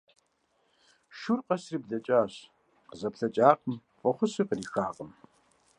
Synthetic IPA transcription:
ʃurqʼɐsrib̚dɐt͡ʃʼaːɕ | qəzɐpɬɐt͡ʃʼaːqəm | fʼɐχʷʊsiqəriːxaːqəm

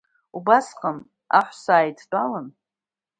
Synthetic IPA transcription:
ubasqʼəm | a̰ħʷsaːjtʰdʷʼalən

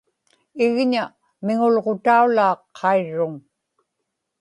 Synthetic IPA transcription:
ɪɣɲa | mɪŋʊlʁot̪aulaːqʰːɑiɻːʊŋ

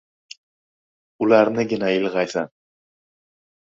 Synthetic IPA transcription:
ʊlaɾnɪɡʲɪnaɪlʲˠʁɑjsan

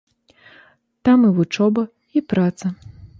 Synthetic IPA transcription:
t̪amivut͡ʂɔbɐ | ipɾat̪sɐ

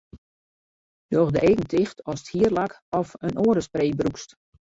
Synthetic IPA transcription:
d̥ɔxdəʔeːkən̩tʰɪxtʰɔsə̥thiərlak | ɔfənʔoːɾəspreːbrukst

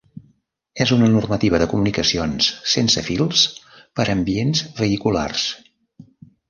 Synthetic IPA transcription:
ɛzunənurmət̪iβ̞əðəkumunikəsionsːensəfilˠs | pəɾəmbienzβəikula̰rs

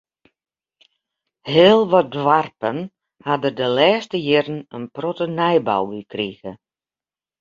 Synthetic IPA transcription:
heːlˠʋɔdʋarpən | hadərdəlɛːstəjɪrən̩ənprɔtənɛjba̰wʋikriɣə

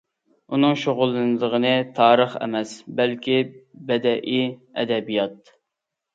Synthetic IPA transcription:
unɨŋʃoʁʊlˠːɨnɨd̪əʁənɨt̪ʰɑːɾəχɛ̰mɛsbælkʲibɛd̪ɛʔiɛ̰d̪ɛbijɑt̪̚

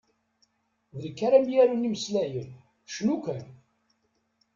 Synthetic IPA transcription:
ðəlkːaɾæmjæɾuniməslæjən | ʃnukʷæn

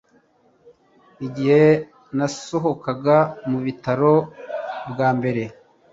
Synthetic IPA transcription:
iɟihe̞ | nasoɦo̞kaɡamuβitaɾo̞ | bɡaːmbe̞ɾe̞

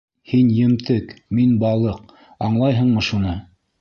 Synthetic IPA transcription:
hinjɘ̆mt̪ɘkminbɑlˠɤq | ɑɴlˠɑjɦɤ̆ɴmɤʃunɤ

